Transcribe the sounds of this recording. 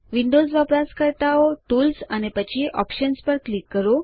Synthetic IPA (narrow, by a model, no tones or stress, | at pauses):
ʋiɳɖod͡zʋapɾaskəɾt̪aoʈuːlsanepət͡ɕʰiʔɔ̰pɕənspəɾklikːəɾo